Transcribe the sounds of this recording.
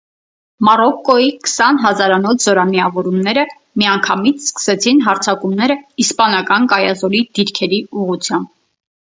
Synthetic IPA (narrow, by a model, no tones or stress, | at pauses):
mɑrɔkːɔikə̥sɑnɦɑzɑɾɑnɔt͡sʰz̥ɔɾɑmiɑvɔɾumnɛɾə | miɑŋkʰɑmit͡sʰskə̥sɛt͡sʰinɦɑɾt͡sʰɑkumnɛɾəispɑnɑkɑnkɑjɑzɔɾid̪̥iɾkʰɛɾiuʁut͡sʰjɑmb̚